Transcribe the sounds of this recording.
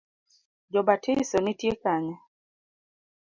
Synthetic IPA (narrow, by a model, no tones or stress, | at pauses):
d͡ʒɔbatʰɪsɔnitjekaɲɛ